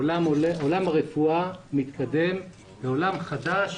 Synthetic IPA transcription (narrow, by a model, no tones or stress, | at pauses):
lamlolamaʁefuamit̪kad̪e̞m | beo̞lamχad̪aʃ